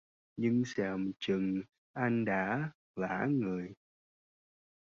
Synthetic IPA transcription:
ɲɨ˧ŋsɛ˧˩mt͡ɕɨ˨˩ŋ | ʔa˧jŋɗa̰ː˧˥ | va̰ː˧˥ŋɨ˨˩əj

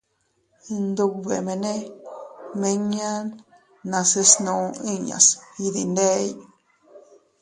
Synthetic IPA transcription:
nd̪u˧βe˨mẽ˧nẽ˦ | mẽ˧ɲã˦ | nã˧se˧snũ˧ĩ˦˨ɲã̰˨si˧ði˧nd̪e˦j

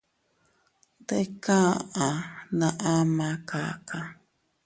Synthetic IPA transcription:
t̪e˦kã˦ʔã˨nã˧˨ʔa˦mã˧ka̰˦kã˧

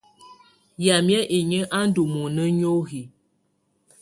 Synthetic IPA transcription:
ja˨mjɛ˦ʔi˨ɲə˦ʔa˦n̩˦du˨mo˨nə˦ɲo˦ɣi˨

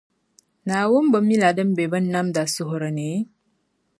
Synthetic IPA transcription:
na˨wo˦m˦bə˨mi˦la˨də˦mbe˨bə˦nːa˦mda˨su˦ɦɾə˨ne˨˦

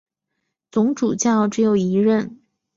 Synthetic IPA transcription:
t͡sʊ˧˥ŋʈ͡ʂu˨˩t͡ɕjɑ˥˩ʊʈ͡ʂɻ̩˧˥jo˨˩ʊi˧˥ɻə˥˩n

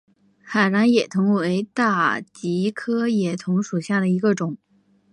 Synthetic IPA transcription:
xa˨˩ɻa˧˥njɛ˨˩t̪ʰʊ˧˥ŋwe˧˥ɪt̪a˥˩t͡ɕi˧˥kʰɤ˥jɛ˨˩t̪ʰʊ˧˥ŋʂu˨˩ɕja˥˩d̪ə˩i˧˥ɡə˧ʈ͡ʂʊ˨˩˦ŋ

